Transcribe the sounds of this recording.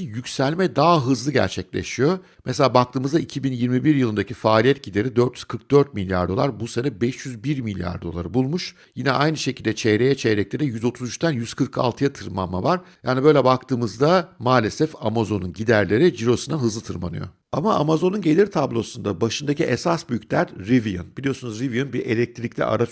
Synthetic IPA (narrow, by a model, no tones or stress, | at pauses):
jycsælʲmɛd̪aːɦɯzlˠɯɟæ̰ɾt͡ʃʰɛclʲḛʃijo̞ | mɛselʲaːbak̚t̪ʰɯːmɯzd̪aicʰibinjiɾmibiɾjɯlˠɯnd̪acʰifaːlʲijɛt̪̚ɟid̪e̞ɾid̪øɾt̪ʰjy̥z̥kʰɯɾk̚d̪̥øɾt̪̚milʲja̰ɾd̪o̞lˠaɾbuse̞nɛbɛʃjyzbiɾmilʲja̰ɾd̪o̞lˠa̰ɾɯbulˠmuʃ | jinɛʔajnɯʃe̞cʰilʲd̪ɛt͡ʃʰeɾejɛt͡ʃʰejɾɛc̚lʲed̪ɛjyzo̞t̪ʰuzyt͡ʃt̪ʰænjyz̥kʰɯɾkʰa̰lˠt̪ʰɯjat̪ʰɯɾmanmːavaɾ̥jaːnibø̞jlʲɛbak̚t̪ʰɯːmɯzd̪amaːlʲesɛfamazo̞nunɟid̪æɾlʲe̞ɾid͡ʒiɾo̞sund̪anɦɯzlˠɯt̪ʰɯɾma̰nɯ̰jo̞̰ | amaamazo̞nunɟe̞lʲiɾt̪ʰablˠo̞sund̪abaʃɯnd̪aciʔesasbyjycʲlʲæɾɾivijɯ̰nbilʲijo̞sunuzɾivijɯnbiɾʔelʲɛc̚t̪ʰɾiclʲḭʔa̰ɾa